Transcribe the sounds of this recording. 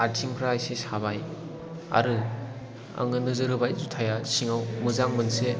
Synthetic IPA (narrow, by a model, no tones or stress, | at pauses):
aɾtʰiŋpʰɾaajsesaβaj | a̰ɾɯ | a̰ŋɯnɯzɯɾɯbajzutʰajasiŋawmɯzaŋmɯnse